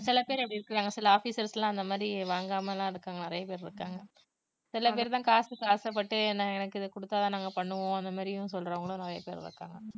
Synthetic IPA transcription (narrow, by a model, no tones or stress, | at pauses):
sɪlɐpeːɾɐpɐɽiɪɾɯkːɯɾaːŋɡɐsɪlɐaːfiːsɐɾslãːɐnd̪ɐmaːd̪ɾiʋaːŋɡaːmɐlãːɪɽɯkːaːŋɡɐnɐɾɐjɐpeːɾɾɯkːaːŋɡɐ | sɪlɐpeːɾt̪ãːkaːsʈɯkaːsɐp̬ːɐʈːɯnãːɛnɐkːɯɪðkʊɽɯt̪ːaːt̪ãːnaːŋɡɐpɐɳːɯʋõɐnd̪ɐmaːd̪ɾɪjʊ̃sɔlːɾɐʋɐŋɡɐɭʊ̃nɐɾɐjɐ̰pḛːɾɾɯ̰kːa̰ːŋɡɐ